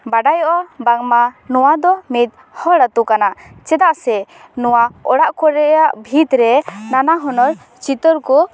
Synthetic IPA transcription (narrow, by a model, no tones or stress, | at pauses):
baɖajɔʔabaŋmanɔwad̪ɔmit̪̚ | hɔɽat̪ukanaʔt͡ʃɛd̪aʔsɛ | nɔwaɔɽaʔkɔɾɛjaʔbʱit̪ɾɛnanaɦɔnɔɾ | t͡ʃit̪ɔɾku